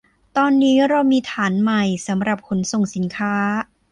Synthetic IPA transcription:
t̪ɔː˧nːiː˦˥ɾa˧wmiː˧t̪ʰaː˩˦nma˨˩jsa˩˦mɾa˨˩p̚kʰo˩˦nso˨˩ŋsi˩˦nkʰaː˦˥

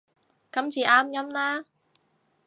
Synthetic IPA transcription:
kɐ˨˥mt͡siː˨˩ʔaː˥mjɐ˥mlaː˥

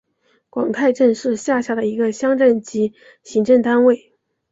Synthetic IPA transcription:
kwɑ˨˩ŋkʰa˥˧ɪʈ͡ʂə˥˧nʂɻ̩˥˧ɕja˥˩ɕja˥˩d̪ə˨i˧˥ɡə˧ɕjɑ˥ŋʈ͡ʂə˥˩nt͡ɕi˧˥ | ɕi˧˥ŋʈ͡ʂə˥˩ŋt̪a˥nwe˥˩ɪ

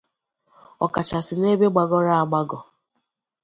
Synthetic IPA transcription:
ɔ˨ka˨t͡ʃa˨sɪ˨ne˦be˦ɡ͡ba˨ɡɔ˦ɾa˦a˨ɡ͡ba˦ɡɔ˨

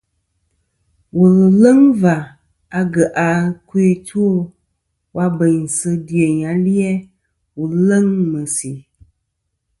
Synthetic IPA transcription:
wə˨lə˨lə˦ŋva˨ | a˨ɡə˨ʔa˨kwee˦tʰu˦o˦ | wʔa˦bə˨ɲ˨sə˧di˨ə˨ɲa˨˦li˦ɛ˦ | wu˨lə˦ŋmə˨si˨

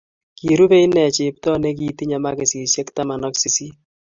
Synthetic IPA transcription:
ki˨ɾu˦pe˦i˦nɛ˨t͡ʃe˨p̚tɔ˦ne˦k̬iː˨ti˦ɲa˨ma˦ke˨siː˨sjɛ˦kta˦ma˨nɔ˦ksi˨si˦

